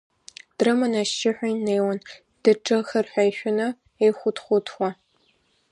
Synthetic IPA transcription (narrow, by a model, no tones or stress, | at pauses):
d̥rɨmɐnaʃɪħʷajneːwɐn | d̥ɨʈ͡ʂʼɐxɐrħʷajʃʷᶣʊnɐ | ejχʷʊtχʷʊtʰxʷa